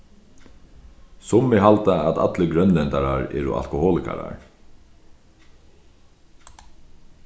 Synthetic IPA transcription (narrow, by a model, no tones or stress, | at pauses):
sʊmːɪɦalt̪aat̪a̰t̪ləɡɾœnlɛnt̪aɾaɹɛ̰ːɾʊ̰a̰lkʊhoːlɪka̰ɾa̰ɹ